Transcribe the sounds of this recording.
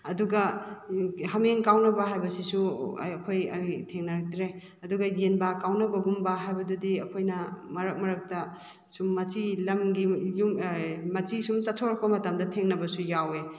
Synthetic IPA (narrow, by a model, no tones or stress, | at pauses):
ɐduɡɐ | ɦɐmeŋkawnɐbɐɦajbɐsisṵɐkʰojɐtʰeŋnɐɾɐk̚tɾe | ɐduɡɐjenbɐkawnɐbɐɡumbɐɦajbɐdudiɐkʰojnɐmɐɾɐk̚mɐɾɐk̚tɐ | sumːɐt͡ʃilɐmɡijummɐt͡ʃisumt͡ʃɐtʰːoɾɐk̚pɐmɐtamdɐtʰeŋnɐbɐsujawe